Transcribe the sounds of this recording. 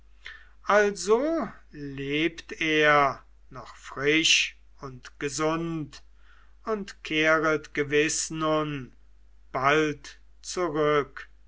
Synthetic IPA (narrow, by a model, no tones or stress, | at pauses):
ʔalzo | leːpteːɐ | nɔχfʁ̥ɪʃ | ʊntɡ̥əzʊnt | ʊntkʰeːʁətɡ̥əvɪsnʊn | b̥alt | t͡suʁʏk